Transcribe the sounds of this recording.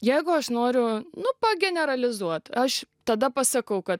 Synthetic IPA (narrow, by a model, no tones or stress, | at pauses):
jɛɪɡʊɐʃnoːɾʲʊnʊpɐɡʲɛnʲɛɾɐlʲɪzuɔt̪ɐʃt̪ɐd̪ɐpɐsɐkɐʊkɐt̪